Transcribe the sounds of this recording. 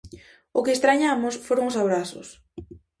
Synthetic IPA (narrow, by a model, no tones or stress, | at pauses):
ʊkɪeːst̪ɾaɲamʊsfoɾoŋʊsaβ̞ɾasʊ̰s